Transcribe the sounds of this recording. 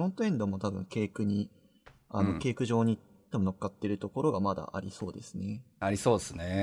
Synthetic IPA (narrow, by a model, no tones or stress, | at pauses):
õt̪oẽ̞nd̪o̞mo̞t̪abɯ̟̃ŋke̞ːkɯ̟ɲ̟i | ano̞kʲe̞ːkɯ̟ʑo̞ːɲ̟i | t̪ːemono̞kːat̪ːe̞ɾɯ̟t̪o̞ko̞ɾo̞ɡamad̪a̰ʔa̰ɾʲiso̞̰ːd̪e̞sɨne̞ | aɾʲiso̞ːd̪esɨne